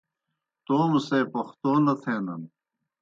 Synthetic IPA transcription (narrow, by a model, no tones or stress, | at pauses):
t̪oːmuseːpɐxt̪oːnɐt̪ʰeːnɐn